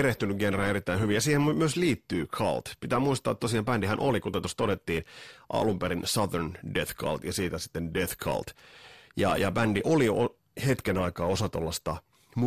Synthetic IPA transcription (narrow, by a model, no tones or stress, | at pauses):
ɾeht̪ynyɡɡenræːeɾit̪ːæinhyʋijjɑsiːhemmmyøsliːt̪ːyːkʰɑ̰lt̪pit̪æːmuist̪ɑːt̪ːosiɑmpændihænʔolikut̪ɑt̪ost̪oɾet̪ːiːnʔɑ̰lumpeɾinsɑðerndeθkʰɑ̰lt̪jɑsiːt̪æsi̥t̪ːendeθkʰɑ̰lt̪jɑ̰jɑbændiʔolio | het̪kenɑikɑːosɑt̪o̰lːɑst̪æ | m